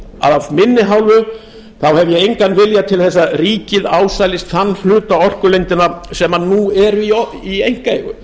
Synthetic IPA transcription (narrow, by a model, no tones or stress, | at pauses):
a̰ðavmɪnːɪɦawlvʏ | θawhɛvjɛejŋkanvɪljat̪ʰɪlθɛsːariːcɪðaːwsajlɪst̪θanːflʏːt̪aɔr̥kʏlejnt̪ɪnasɛmanuɛɾʏi | iejŋ̥kaeɣʏ̰